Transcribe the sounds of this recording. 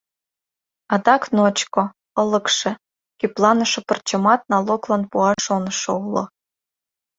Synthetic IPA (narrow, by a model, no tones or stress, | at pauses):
ɑd̪ɑknot͡ɕko | ɤ̆lə̆kʃĕ | kʲyplɑnə̆ʃŏpərt͡ɕə̆mɑt̪̚nɑloklɑnpuɑʃonəʃoulo̰